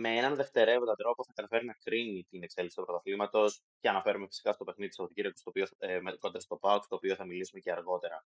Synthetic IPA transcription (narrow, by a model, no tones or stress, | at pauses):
meenɐnðe̞ft̪e̞ɾevoɐd̪ɾo̞poθɐkɐt̪ɐfe̞ɾinɐkɾinit̪inekse̞liksi̥t̪pɾot̪ɐfimɐt̪o̞s | ce̞ɐnɐfe̞ɾume̞fi̥si̥kɐst̪o̞pe̞xniðit̪isɐpo̞t̪i̥ɟiɾiɐkust̪opio̞meikonɾɐst̪opɐukst̪o̞ːpio̞θɐmilisumeceɐɾɣo̞t̪e̞ɾɐ